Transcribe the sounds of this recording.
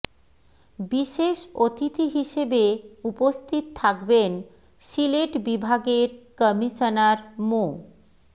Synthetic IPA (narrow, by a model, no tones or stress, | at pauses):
biʃeʃot̪ʰit̪iɦiʃebeupost̪ʰit̪t̪ʰakben | sileʈbibʱaɡeɾkəmiʃonaɾmo